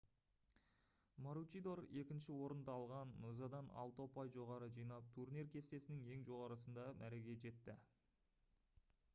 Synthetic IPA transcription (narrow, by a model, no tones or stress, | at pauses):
moɾut͡ʃijd̪o̞ɾe̞kʲɪnʃɪwo̞ɾənd̪ɑɑlˠʁɑnːuzɑd̪ɑnɑ̰lˠt̪o̞pɑjʒo̞ʁɑɾəʒijnɑp̚t̪ʰurniɾkʲʰe̞st̪e̞sɪnɪŋe̞ŋʒo̞ʁɑɾəsənd̪ɑmʔæɾe̞ɡʲe̞ʒe̞t̪ːɪ